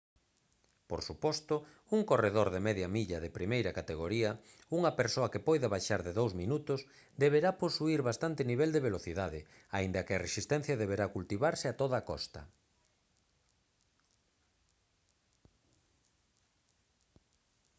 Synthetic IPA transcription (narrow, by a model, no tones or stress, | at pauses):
po̰ɾsupɔst̪ʊ | uŋkoreðoɾðemɛðjɐmiʎɐðepɾimejɾɐkat̪eɣ̞oɾiɐ | uŋɐpeɾsoɐkɪpɔjðaβajʃaɾðeðowzminut̪ʊs | d̪eβeɾaposuiɾβast̪ant̪ɪniβɛld̪eβeloθiðaðɪ | aind̪ɐkɪɐresist̪ɛn̟θjɐðeβeɾakult̪iβaɾsɪat̪oðɐːkɔ̰st̪ɐ̰